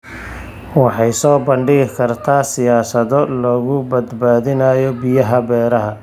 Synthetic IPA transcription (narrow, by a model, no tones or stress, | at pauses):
wɑħɑjsɔːbɐɳɖɪɣɪkʰɐrt̪ʰaːsɪjaːsɐðɔlɔːɣʊbɐd̪baːðɪnɐjɔbɪjɐɦɐbɛːɾɐɦɐ